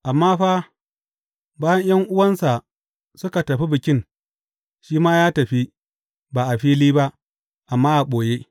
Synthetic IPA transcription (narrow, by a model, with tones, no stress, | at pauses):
ʔa˨mːaː˦ɸa˦ | baː˦jɐ˦ɲj̰ɐ˦ŋʔʊ˦wɐ˦nsa˨ | sʊ˦ka˨tɐ˨ɸi˦bɪ˨kʲɪ˦n | ʃiː˦maː˦jaː˦tɐ˨ɸi˦ | baː˨ʔa˨ɸiː˦liː˦ba˦ʔ | ʔa˨mːaː˦ʔa˨ɓoː˨je˦